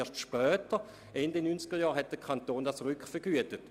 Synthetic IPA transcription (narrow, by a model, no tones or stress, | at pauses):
ɐʃtʃpœːtə | ʔɛndɪnynt͡sɡ̥əjɑːʁɦɛt̚d̥əkʰantoːndasʁʏkχfəɡ̥yətət